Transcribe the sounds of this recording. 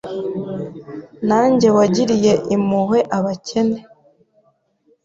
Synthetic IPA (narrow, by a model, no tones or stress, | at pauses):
naːɲɟe̞waɟiɾije̞ʔimuhe̞ʔaβacʰe̞ne̞